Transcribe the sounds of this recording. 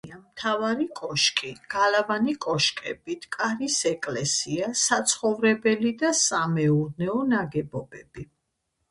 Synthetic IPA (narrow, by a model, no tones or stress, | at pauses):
amt̪ʰavaɾikʼɔʃkʼiɡ̥alavanikʼɔʃkʼɛbit̪ʰkʼaɾisɛkʼlɛsiasat̪sʰχɔvɾɛbɛlid̪asamɛuɾnɛɔnaɡɛbɔbɛb̥i